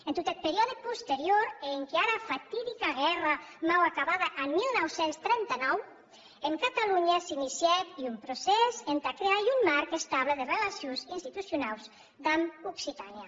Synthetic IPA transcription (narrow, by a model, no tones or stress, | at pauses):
ent̪ot̪et̪̚peɾiɔðepust̪eɾjoɾeŋkeaɾafat̪iðikaɣɛramawakaβaðaʔamːilˠnɔwsenst̪ɾɛnt̪anɔw | eŋkat̪aluɲasinisjɛt̪iumpɾosɛzent̪akɾeajumːaɾkest̪aβleðerelasjonzinst̪it̪usjunawz | d̪amuksit̪anja